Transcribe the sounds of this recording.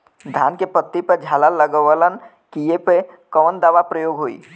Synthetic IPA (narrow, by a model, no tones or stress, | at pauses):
d̪ʱaːnkepət̪ːipəɾd͡ʒʱaːlaləɡəʋələn | kijepekəʋənd̪aːʋapɾəjoːɡɦoːḭː